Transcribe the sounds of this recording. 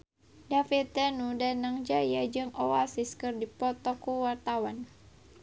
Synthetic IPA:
dafit̪̚ːənudanaŋd͡ʒajad͡ʒɨŋɔasiskɨrdipɔt̪ɔkuwart̪awan

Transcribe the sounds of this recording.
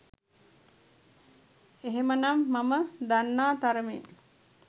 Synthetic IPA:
eɦemənamːaməd̪anːaːt̪aɾəmḛn

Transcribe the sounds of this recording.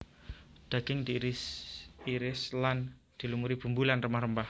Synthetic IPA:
d̪̥a̤ɡ̥ɪŋdiɾsiɾɪslan | d̪̥i̤lumuɾib̥ṳmbulanrəmahrəmbah

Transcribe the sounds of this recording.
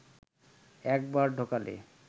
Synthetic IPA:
ɛk̚baɾɖʱokalḛ

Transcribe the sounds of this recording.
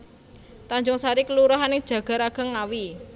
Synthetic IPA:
t̪aɲd͡ʒʊŋsaɾikəluɾaɦaned̥ʒ̥ä̤ɡ̥a̤ɾaɡ̥a̤ŋawi

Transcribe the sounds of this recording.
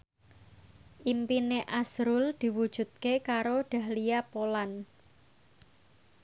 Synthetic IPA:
ʔimpineʔasɾʊld̪̥i̤wud̥ʒ̥ṳt̪̚kekaɾoɖ̥ä̤hlijapolan

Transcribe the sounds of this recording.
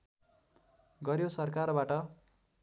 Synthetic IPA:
ɡʌɾjosʌrkarbaʈʌ

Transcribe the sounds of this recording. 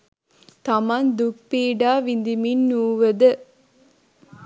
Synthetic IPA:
t̪ɐmɐnd̪ʊk̚piːɖaːʋind̪iminːuːʋɐðɯ

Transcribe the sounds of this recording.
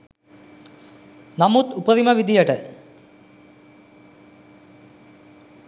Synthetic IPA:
namut̪upəɾiməʋid̪ijəʈə

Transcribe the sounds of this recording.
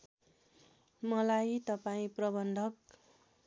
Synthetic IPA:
mʌlajt̪ʌpaĩprʌbʌnd̪ʱʌk

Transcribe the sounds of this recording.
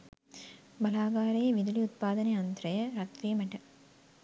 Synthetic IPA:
bɐlaːɡaːɾeːʋid̪uliut̪̚paːd̪ɐneɐnt̪ɾɐjɐɾɐt̪ɾiːmɐʈɐ

